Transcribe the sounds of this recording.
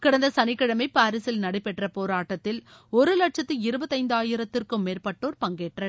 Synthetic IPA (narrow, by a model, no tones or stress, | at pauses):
kɪɽɐnd̪ɐsɐnɪkːɐɽɐmɐɪpaːɾɪsɪlnɐɽɐɪpːɛʈrɐpoːɾaːʈːɐt̪ːɪl | ɔɾɯlɐʈt͡ʃɐt̪ːɯɪɾɯbɐðːɐɪnd̪aːjɪɾɐt̪ːɪrkɯmːeːrpɐʈːoːɾpɐŋɡeːʈrɐ